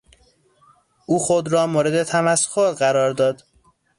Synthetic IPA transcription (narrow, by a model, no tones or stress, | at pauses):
ʔuːxod̪ɾɒːmoːɾed̪et̪ʰæmæskʰoɾɢæɾɒːɾd̪ɒːd̪